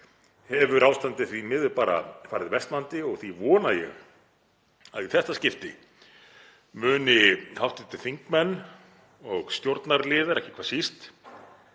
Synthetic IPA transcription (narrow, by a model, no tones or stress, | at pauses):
hɛvʏɾʔaːwst̪ant̪ɪθimɪðɪpaːɾa̰faːɾɪðvɛst̪lant̪ɪɔɣθivɔːnajɛ̰ɣ | aðiθɛht̪ascɪft̪ɪ | mʏːnɪhawft̪ɪt̪ʰːɪ̥θiŋkmɛnː | ɔɣst̪jowɾt̪naɾlɪːðaɾɛhcɪ̥kʰvaːsist̪